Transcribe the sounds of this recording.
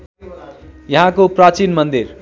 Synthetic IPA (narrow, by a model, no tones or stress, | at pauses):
jʌɦãkoprat͡sinmʌnd̪ir